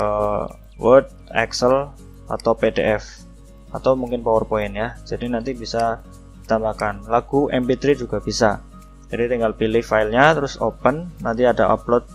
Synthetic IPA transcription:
ə | wərd̚ | ɛ̰ksəl | a̰t̪awpedḛʔɛf | at̪awmuŋkɪnpawɔrpoɪnjad͡ʒadinant̪ibisa | d̥i̥t̪ambakanlaɡ̥uʔɛmpit̪ɾid͡ʒuɡ̥ab̥isa | d͡ʒadit̪iŋɡalpilɪhfaɪlɲat̪əɾʊso̰pənːant̪iadaʔa̰p̚lɔt̪̚

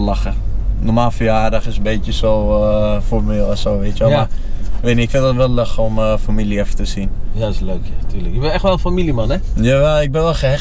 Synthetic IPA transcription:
laxə | nomaːlˠfəjaːrdaxɪsənbeːtjəsoːfɔrmeːlˠɛsoːʋɪtjʋɛlma | kʋeːtniɪkfɪ̃ndətʋɛlˠløxəomfamiliɛfətəsinjaɪsløːkʰjatʰyːləkjəbɪnɛxtʋɛlˠənfamilimanɛ | jaʋɛlˠɪk̚bɪnʋɛlˠxɛ

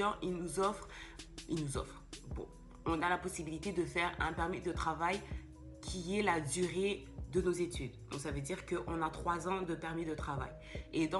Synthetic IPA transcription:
ɑ̃ʔilnuzɔfχilnuzɔ̰fχbɔ̰̃ | ɔ̃nalapɔsibilit̪ed̪əfɛʁɛ̃pɛʁmid̪ət̪χavaj | kʲʰiɛlad̪yʁe | d̪ənozet̪yd̪d̪ɔ̃ksavød̪iʁkəʔɔ̃nat̪χwazɑ̃d̪əpɛʁmid̪ət̪χava̰j | ed̪ɑ̃

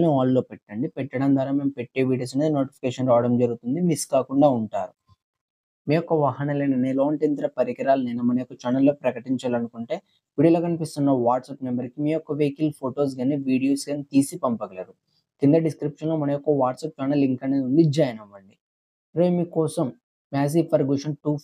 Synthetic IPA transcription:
niaːlːo̞ːpɛʈːɐɳɖipɛʈːɐɽɐnd̪ʱʋaːɾaːme̞ːmpeʈːe̞ːʋiːɽijoːs̬ned̪ino̞ːʈi̥pikeːʃɐnɾaːɽɐmd͡ʒɐɾuɡut̪und̪imiskaːkuɳɖaːuɳʈaːɾu | miːjɔkːɐʋɐɦɐnɐleːnɐneːloːɳʈint̪ɐɾɐpɐɾikɐɾaːluneːnɐmɐnɐjɔkːɐt͡ʃaːnɐlːo̞ːpɾɐkɐʈiɲt͡ʃaːlɐnukuɳʈe̞ː | ʋiːɽijɐloːkɐnipist̪unːɐʋaːʈsɐːpmembɐɾikimiːjɔkːɐʋeːkilpʰoːʈoːs̬ɡaːneʋiːɽijoːsɡɐːnt̪iːsipɐmpɐɡɐlɐɾu | k̪ind̪ɐɖiskɾipʂɐnloːmɐnɐjɔkːɐʋaːʈsɐːp̚t͡ʃaːnɐliŋkɐneːund̪id͡ʒɐjɐnɐʋːɐɳɖi | ɾoːmiːkɔːsɐm | maːs̬iːpʰɐɾɡuʂɐnʈuː

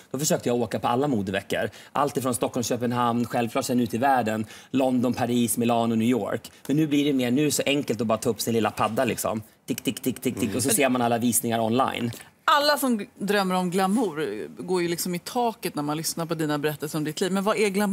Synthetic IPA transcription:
d̪̥ɔfœʂøːk̚t̪əjaoːkapʰɔa̰lːamuːd̪əvɛkːə̰ɾʔa̰lt̪ɪfɾɔnst̪ɔkʰːɔlmɕøːpənɦamnɧɛlvkʰlɑːʈʂɛnːʉt̪ɪvæːɖənlɔnd̪ɔnpʰaɾiːsmɪlɑːnʊnʏːjo̰ːɾkmɛnːʉ̟ːblɪɖɛmeːɾnʉːsɔʔɛŋkəlt̪ɔbɑːɾat̪ʰɑːɵpːsɪnɪlːapʰad̪ːalɪksɔ̰mt̪ʰɪkt̪ʰɪkːt̪ɪkːt̪ʰɪk̪̚ʰɪkɔs̬ɔseːɾmanalːaviːsnɪŋaɾɔnla̰jn | alːasɔmd̪ɾœmːəɾɔmɡlamːuɾɡoːɾjɵlɪksɔmɪt̪ʰɑːkət̪næɾmanlʏsnaɾpɔd̪iːnabɛɾɛt̪ːəlsəɾɔmd̪ɪt̪liːvmɛnvaɛɡlam

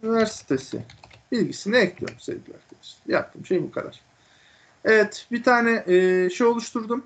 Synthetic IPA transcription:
ynivæɾsi̥t̪ʰe̞sɪ̰ | bilʲɟisiniɛclʲijo̞̰ɾmsɛ̰vɡɟilʲæ̰ɾd̪ʰemisjap̚t̪ʰːɯmʃejbukʰad̪a̰ɾ̥ | evɛt̪bit̪ʰaːnɛʔːʃejo̞lˠuʃt̪ʰuɾd̪um

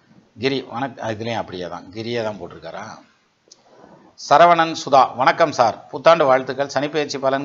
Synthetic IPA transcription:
ɡɪɾiʋɐnɐkɐɣɪlẽːɐpːɐɽɪja̰ːt̪ã̰ːɡɪɾɪjɐt̪ãːnpoːʈːɪɾɯkːaɾa̰ː | sɐɾɐʋɐɳɐnsʊðaːʋɐnɐkːɐmsaːɾpuːt̪ːaːɳɖɯʋaːɻt̪ːɯkːɐɭsɐnɪpːeːt͡ʃːipːɐlɐn

